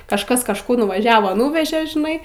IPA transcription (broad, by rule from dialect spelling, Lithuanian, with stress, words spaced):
kɐʃˈkɐs kɐʃˈkʊr nʊʋɐˈʒʲæːʋoː ˈnuːʋʲɛʒʲeː ʒʲɪˈnɐɪ